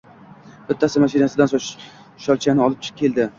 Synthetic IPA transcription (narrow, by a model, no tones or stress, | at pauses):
b̥ɪt̪ʰːasɪmaʃinasɪd̪ans | ʃɒlˠt͡ʃʰanɪɒlɪp̚t͡ʃʰɪ̥kʲʰe̞lˠd̪ɪ